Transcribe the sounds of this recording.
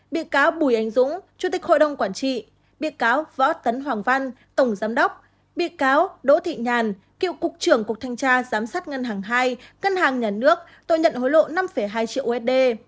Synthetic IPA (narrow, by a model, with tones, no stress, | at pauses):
ɓḭ˧˨kaː˨˦wɓu˧˩jʔa˨˦jŋ̟zʊ̰˧˥ŋ͡mt͡ɕu˧˩t̪ï˨˩k̟̚ho̰˧˨jɗə˨˩wŋ͡mkwaː˧˩nt͡ɕḭ˧˨ | ɓḭ˧˨kaː˨˦wvɔ̰˧˥t̪ə˨˦nɦwaː˨˩ŋva˧n | t̪ə˧˩wŋ͡mzaː˨˦mɗə˦˥k͡p̚ | ɓḭ˧˨kaː˨˦wɗo̰˧˥t̪ʰḭ˧˨ɲaː˨˩n | kḭ˧˨əwkʊ˨˩k̚t͡ɕɨ˧˩əŋku˨˩ək̚t̪ʰa˧jŋ̟t͡ɕaː˧zaː˨˦msaː˦˥t̚ŋə˧nɦaː˨˩ŋɦaː˧jŋə˧nhaː˨˩ŋɲaː˨˩nɨ˦˥ək̚ | t̪o̰˧˨ɲə̰˧˨nho˨˦jlo̰˧˨na˧mfə˧˩jɦaː˧jt͡ɕḭ˧əwʔɛ˦˥t̚ɗe˧